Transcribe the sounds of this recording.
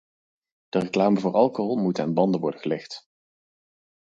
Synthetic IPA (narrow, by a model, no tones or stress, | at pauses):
d̥əreklaːməvʊːɹʔɑlˠkoɦɔlˠmutəaːnbɑndənʋɔ̰ɹdəχəlɛχt